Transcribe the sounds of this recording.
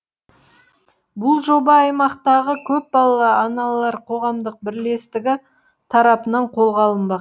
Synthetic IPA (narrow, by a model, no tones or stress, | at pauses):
bʊlˠʒo̞bɑɑjmɑqt̪ɑʁəkʲʰɵp̚bɑlˠɑlˠɑɑnɑlˠlˠɑɾqʰo̞ʁɑmd̪əq̚bɪɾle̞st̪ɪɡʲɪ | t̪ʰɑɾɑpənɑɴqʰo̞lˠʁɑlˠəmbɑq